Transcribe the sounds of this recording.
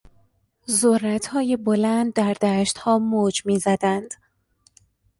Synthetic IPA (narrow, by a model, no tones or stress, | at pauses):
zorːæt̪ʰhɒːjebo̞lænd̪̚ːæɾd̪æːʃt̪hɒːmoːd͡ʒmiːzæd̪ænd̪̥